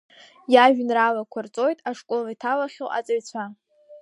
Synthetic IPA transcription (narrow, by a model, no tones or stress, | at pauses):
jaʒᶣnralakʷʰart͡sʼo̞jtʼaʂkʼolaitʰalaχʲɪlʔa̰t͡sʼaɥt͡sʷʰa